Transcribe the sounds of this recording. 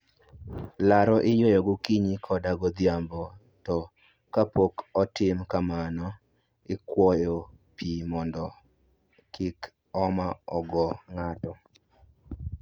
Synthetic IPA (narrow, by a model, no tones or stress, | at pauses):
laɾɔʔɪjojɔɡʊkiɲikʰɔdaɡɔd̪jambɔ | tɔ | kapokɔtɪmkamanɔ | ɪkwɔjɔ | pimɔndɔ | kʰɪk | ɔmaɔɡɔŋatɔ